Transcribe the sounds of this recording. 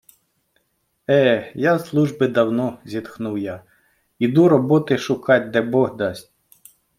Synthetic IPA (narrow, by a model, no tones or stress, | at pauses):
ɛjaslˠuʒbɪd̪ɐwnɔzʲit̪xnuwja | id̪uɾɔbɔt̪ɪʃʊkɑtʲd̪ɛbɔɦd̪ɑsʲtʲ